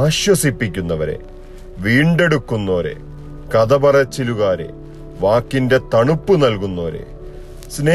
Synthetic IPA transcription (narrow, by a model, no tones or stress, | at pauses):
aːɕwɐsipːikʲːunːɐʋɐɾḛ | ʋiːɳɖe̞ɽukːunːoːɾḛ | kɐðɐbɐrɐt͡ɕːiluɣaːɾḛ | ʋaːkːinde̞t̪ɐɳupːunɐlkunːo̞ːɾḛ | sne